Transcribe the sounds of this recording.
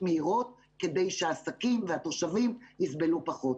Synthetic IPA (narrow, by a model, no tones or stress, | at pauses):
meiʁo̞t̚ | ke̞d̪e̞jʃeaːsakimveat̪o̞ʃavimnisbe̞lupaχo̞t